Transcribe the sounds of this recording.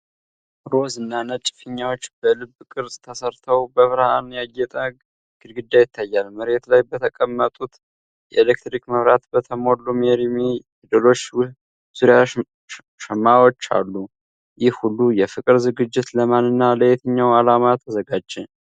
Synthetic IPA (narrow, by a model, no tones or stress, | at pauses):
ɾo̞zɨnːanət͡ʃʼɪ̥fɨɲːawo̞t͡ʃːbəlɨbːkʼɨɾsʼt̪ʰəsəɾt̪ʰəwbəβɾəhanjajːɛt̪ʼə | ɡ̥ɨlɡɨd̪ːajɪt̪ʰːajːalməɾe̞t̪lajbət̪ʰəkʼəmːət̪ʼut̪ | jɛ̰elekt̪ɾikməβɾat̪bət̪ʰəmo̞lːumeɾime | d̪əlo̞t͡ʃː | z̥uɾja | ʃəmːawo̞t͡ʃːa̰lːu | jɪhhulːujɛfɨkʼɨɾzɨɡɨd͡ʒːɪt̪ləmanːɨnːaləjet̪ʰəɲːawalamat̪ʰːəzəɡad͡ʒːɛ